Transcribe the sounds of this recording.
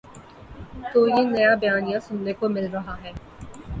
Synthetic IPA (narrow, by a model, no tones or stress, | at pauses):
t̪oːjenɐjabɐjaːnijãsʊnːekomɪlɾɐɦaɦɛː